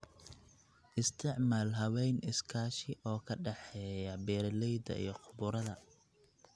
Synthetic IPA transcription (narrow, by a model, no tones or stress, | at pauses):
ʔɪst̪ʰɪʕmaːlɦɐwɛjnɪskʰaːʃɪʔɔːkʰɐɖɛħɛːjɐbɛːrlɛjd̪ɐ̰ijɞqʰʊβʊɾɐðɐ